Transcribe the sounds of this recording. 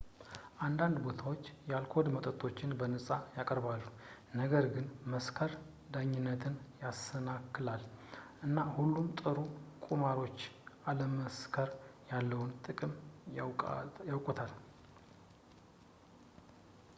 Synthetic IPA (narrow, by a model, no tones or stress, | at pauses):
ʔand̪and̪bo̞t̪ʰawot͡ʃːjalkʰo̞d̪mət̪ʼət̪ʼʰːo̞t͡ʃːɪnbənəsʼajakʼəɾβalːu | nəɡəɾɡɨnməskʰəɾ | d̪aɲːɪnːət̪ʰɨnjasənakːɨlalʔɨnːahulːumt̪ʼɨɾukʼumaɾo̞t͡ʃːʔaləməskʰəɾjalːəwʊnt̪ʼɨkʼɨm | jawkʼut̪ʰal